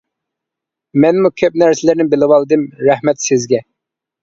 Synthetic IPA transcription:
mɛnmukʲʰøp̚næɾsɪlɪɾnɪbɪlˠɨwɑlˠɨd̪ɨmɾæhmɛt̪sɪzɡʲɛ

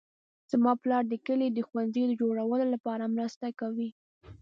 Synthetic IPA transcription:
z̥mɑplɑɾd̪əkəlid̪əxwanzəjd̪əd͡ʒoɽawəlolapɑɾamɾəst̪akawi

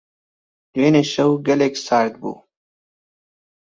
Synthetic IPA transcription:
d̪̥weːneɕɐwɡɐleksaːɾt̪̚bṵ

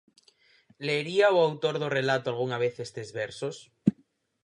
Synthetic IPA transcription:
leːɾiaoawt̪oɾðorelat̪oalɣ̞uŋaβ̞eθest̪ezβeɾsos

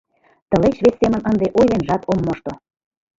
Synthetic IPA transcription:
t̪ə̆let͡ɕβesːemə̆nənd̪eʔojlenʒɑt̪ʰomːoʃt̪o

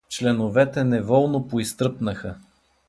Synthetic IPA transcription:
t͡ʃlɛnovɛt̪ɛnɛvɔlˠnopoist̪ɾɤpnəxə

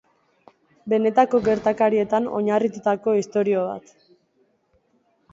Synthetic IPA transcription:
be̞ne̞t̪ako̞ɡe̞ɾt̪akaɾie̞t̪ano̞̰ɲarit̪ut̪ako̞ist̪o̞ɾio̞β̞a̰t̪

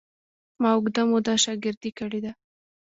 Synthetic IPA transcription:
mɑʊɡd̪amod̪ɑʃɑɡɪɾd̪ikəɽed̪a

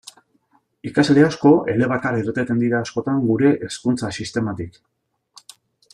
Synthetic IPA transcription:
ikasleasko̞ʔe̞le̞β̞akaɾirt̪et̪e̞nd̪iɾaːsko̞t̪aŋɡuɾe̞ʔeskunt͡sasist̪e̞mat̪ik

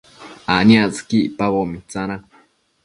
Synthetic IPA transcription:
aniat͡skiʔpaβomit͡sana

